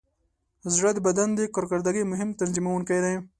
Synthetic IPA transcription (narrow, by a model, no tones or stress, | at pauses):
zɽad̪bad̪and̪ekoɾkaɾd̪aɡimʊɦɪmt̪anzimawʊnkajd̪aj